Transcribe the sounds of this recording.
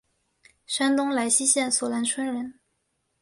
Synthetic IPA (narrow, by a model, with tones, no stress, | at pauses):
ʂa˥nt̪ʊ˥ŋla˧˥ɪɕi˥ɕjɛ˥˩nswɔ˨˩la˧˥nʈ͡ʂʰwa˥nɻə˧˥n